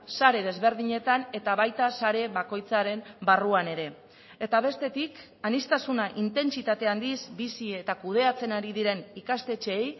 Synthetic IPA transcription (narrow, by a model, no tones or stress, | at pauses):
saɾe̞ð̞e̞zβe̞ɾðiɲe̞t̪ane̞t̪aβajt̪asaɾe̞βako̞jt͡saɾe̞mbaruane̞ɾe̞ | e̞t̪aβ̞e̞st̪e̞t̪ik | anist̪asunaʔint̪e̞nt͡sit̪at̪e̞and̪izbisiet̪akuð̞e̞at͡se̞naɾiðiɾe̞nikast̪e̞t͡ʃeːj